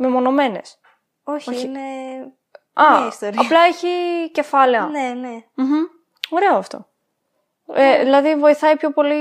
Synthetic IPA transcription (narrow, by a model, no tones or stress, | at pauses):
mimo̞no̞me̞ne̞s | oçoine | ɐist̪oɾɐplɐeçice̞fɐle̞ɐnene̥ | o̞ɾe̞oɐft̪o̞̰ | eðilɐðivo̞iθɐipço̞po̞li